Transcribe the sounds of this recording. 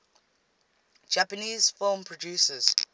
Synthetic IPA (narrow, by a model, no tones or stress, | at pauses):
d͡ʒapəniːz̥fɪlmpʰɹɔdjusəz̥